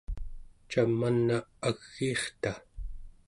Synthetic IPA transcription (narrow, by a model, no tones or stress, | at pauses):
t͡ʃamːanːaaɣ̥ːiːχt̪a